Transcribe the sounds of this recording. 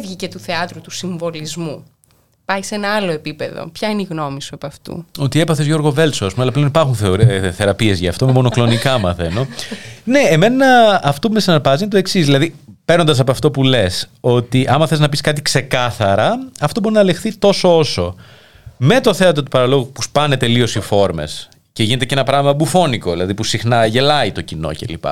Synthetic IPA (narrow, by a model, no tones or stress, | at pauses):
vʝice̞t̪uθe̞ɐt̪ɾut̪usiɱvo̞lizmu | pɐjsenɐɐloepipe̞ðo̰pçɐineiɣnomisuepɐft̪ṵo̞t̪ie̞pɐθe̞zʝo̞ɾɣo̞ve̞lsoɐs̬pumeɐlɐpleonipɐɾxunθe̞oɾθe̞ɾɐpie̞zʝɐ̰ːft̪o̞memo̞no̞klo̞nikɐmɐ̰θe̞̰no̞ne̞eme̞nnɐːft̪o̞pumesinɐɾpɐzinet̪o̞e̞ksizðilɐðipeɾnond̪ɐs̬ɐpoɐft̪o̞pule̞so̞t̪iʔɐmɐθeznɐpiskɐt̪ikse̞kɐθɐɾɐɐft̪o̞bo̞ɾinɐlexθit̪o̞so̞o̞so̞ | me̞t̪o̞θe̞ɐt̪ɾot̪upɐɾɐlo̞ɣupuspɐne̞t̪e̞lio̞sifo̞ɾme̞̰s | ce̞ʝine̞t̪ecenɐpɾɐɣimɐbufo̞niko̞ðilɐðipusixnɐʝe̞lɐit̪o̞cino̞̰ce̞̰lḭpɐ̰